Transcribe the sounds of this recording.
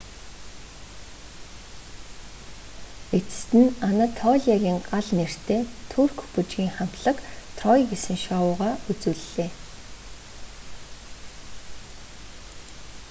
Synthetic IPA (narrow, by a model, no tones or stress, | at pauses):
et͡sɘ̥̆st̪ɘ̆nanat̪ʰɔːɮʲaɣʲiːŋɢaɮner̥t̪ʰeːt̪ʰurkput͡ɕɡiːŋχam̥t̪ɮə̆kt̪ʰrɔjɡesɘ̆ŋʃaːwʊːʁaːut͡sŭːɮːeː